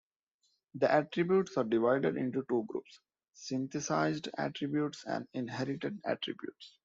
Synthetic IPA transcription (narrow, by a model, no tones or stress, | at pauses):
d̪iʔæʈɾɪbjuːʈsaːɾɖɪʋaɪɖeɖɪ̰̃ɳʈuʈuːɡɾṵːps | sɪ̃nt̪ʰesaɪzɖæ̰ːʈɾɪbjuːʈsæ̰̃ɳɖɪ̃nɦɛɾɪʈeɖæ̰ʈɾɪ̰bjṵːʈs